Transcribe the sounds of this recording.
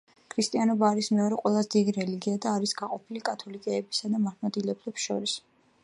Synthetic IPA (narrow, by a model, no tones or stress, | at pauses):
kʰɾist̪ʼianɔbaːɾismɛɔɾɛqʼwɛlˠazɛd̪id̪iɾɛliɡiad̪aːɾisɡaqʼɔpʰilikʼat̪ʰɔlikʼɛːbisad̪amaɾmɔd̪ilɛblɛpsʃɔ̰ɾis